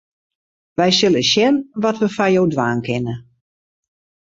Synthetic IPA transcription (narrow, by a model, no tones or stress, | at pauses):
ʋɛjsɪlˠəsjɛnʋɔtʋəfajowdʋaːnkʰɪnə